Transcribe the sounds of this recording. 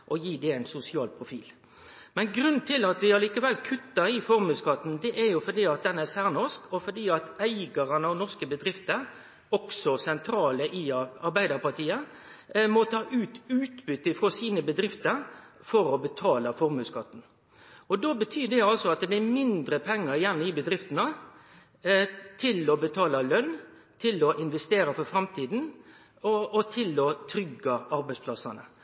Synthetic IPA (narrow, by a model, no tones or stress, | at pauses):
ʔɔjiːd̪ɛæɪnsʊsɪɑːlpʰʁʊfḭːl | mɛnɡɾʉnːt̪ʰɪlɑt̪ʋɪɑliːkəʋɛlkʰʉt̪ːəɾɪfɔɾmʉːskɑt̪ːn̩d̪ɛʔɛɾjʊfɔd̪iːɑt̪̚d̪ɛnɛsæʁnɔskʰɔfɔd̪iːɑt̪æɪɡɑʁɑnɑʋnɔʁskəbəd̪ɾɪft̪əɾ | ɔksɔsɛnt̪ʰɾɑːləʔɪɑɾbæɪd̪ɑɾpɑʁt̪ʰiːə | mɔt̪ʰɑːʔʉːt̪ʉːt̪bʏt̪ːɪfɾʁoːsiːnəbəd̪ɾɪft̪əɾ | fɔɾɔbət̪ʰɑːləfɔɾmʉːskɑt̪ːn̩ | ɔd̪oːbət̪ʰyːd̪ɛɑlsɔɑt̪̚d̪ɛb̪ɪæmɪnd̪ɾəpʰɛŋːəɾjænːəɪbəd̪ɾɪft̪ənə | t̪ʰɪlɔbət̪ʰɑːlɑlœn | t̪ʰɪlɔʔɪnʋɛst̪eːɾɑfɔɾfɾɑmt̪ʰiːd̪n̩ | ɔɔt̪ʰɪlɔt̪ʰɾʏɡːɑɑɾbæɪspʰlɑsɑnə̰